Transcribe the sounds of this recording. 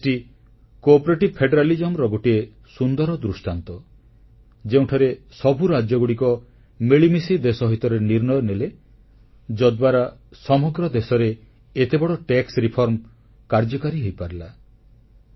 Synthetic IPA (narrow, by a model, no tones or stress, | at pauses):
ʈi | kɔpɔɾeʈibpʰeɖeɾalid͡ʒɔmɾɔɡoʈie | sund̪ɔɾɔd̪ɾusʈant̪ɔ | d͡ʒeũʈʰɔɾesɔbʱuɾad͡ʒjɔɡuɽikɔ | miɭimisid̪esɔɦit̪ɔɾeniɾnɔjɔnele | d͡ʒɔd̪baɾasɔmɔɡɾɔd̪esɔɾe | et̪ebɔɽɔʈeksɾipʰɔɾm | kaɾd͡ʒɔkaɾiɦojpaɾila